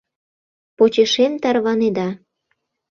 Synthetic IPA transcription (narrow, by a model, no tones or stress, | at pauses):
pot͡ɕeʃemt̪ɑrβɑned̪ɑ